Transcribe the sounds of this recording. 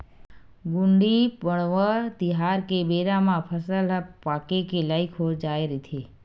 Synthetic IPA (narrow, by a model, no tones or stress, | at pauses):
ɡʊ̃ɳɖibəɽʋət̪ɪɦaːɾkebeːɾamãpʰəsəlpaːkekelaːɪkʰod͡ʒaːeɾit̪ʰeː